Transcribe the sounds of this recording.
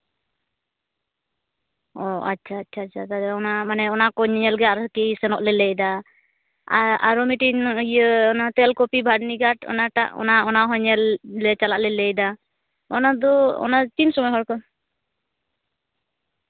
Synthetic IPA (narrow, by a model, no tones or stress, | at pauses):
ɔa̰tːt͡ʃʰaːtːt͡ʃʰaːtt͡ʃʰat̪ad̪ɛɔnamanɛɔnakɔɲɲɛlɡɛaɾkisɛnɔʔlɛlɛjd̪a | aɾɔmiʈinjəɔnat̪ɛlkɔpibʱaɽniɡaʈɔ̰naʈa̰ʔɔ̰naɔnaɦɔɲɛllɛt͡ʃalaʔlɛlɛjd̪a | ɔnad̪ɔɔ̰nat͡ʃinsɔmɔjɦɔɾkɔn